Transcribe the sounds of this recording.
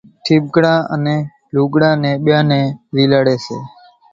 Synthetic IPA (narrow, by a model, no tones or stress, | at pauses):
ʈʰib̚ɡɽãːʔə̰neː | luːɡɽãːneːɓjãːneːɾilaːɽeːsḛː